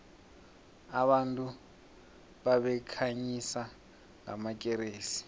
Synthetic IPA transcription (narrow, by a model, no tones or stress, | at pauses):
aβantʼu | βaβɛkʰaɲisa | ŋa̰makʼɛɾeːsi̥